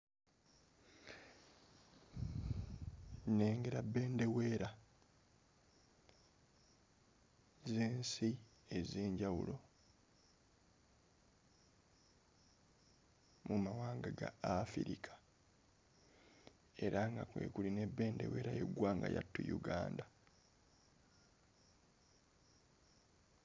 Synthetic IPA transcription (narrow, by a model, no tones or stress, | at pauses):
neːŋɡe̞ɾabːe̞ːnde̞we̞ːɾa | zeːnsi | eze̞ːɲɟawṵlo̞ | mumawaːŋɡaɡaːfiɾikʰḁ | e̞ɾaŋɡakwe̞̰ːkuline̞bːe̞ːnde̞̰we̞ːɾajḛɡwaːŋɡajatːujuɡa̰ːnda